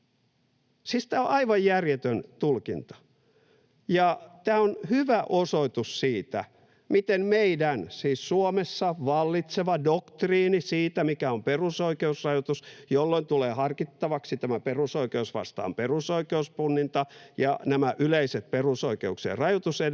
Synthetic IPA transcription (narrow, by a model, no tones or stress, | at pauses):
siːst̪æːoʔɑiʋɑjjærjet̪ønt̪ulkint̪ɑ̥ | jɑt̪æːonhyʋæʔosoit̪ussiːt̪æ̰ | mit̪emmeidænsiːssuomesːɑʋɑlːit̪seʋɑdokt̪riːnisiːt̪æmikæomperusoikeusrɑjot̪usjolːoint̪uleːhɑrkit̪ːɑʋɑksit̪æmæperusoikeusʋɑ̰st̪ɑ̰ːmperusoikeuspunːint̪ɑjɑ̰næmæʔyleiset̪̚perusoikeuksḛrɑjot̪use